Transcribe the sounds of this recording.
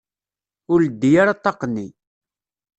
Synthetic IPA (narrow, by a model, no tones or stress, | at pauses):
ʊɾəd̪ːijaɾat̪ˤːɑqnːi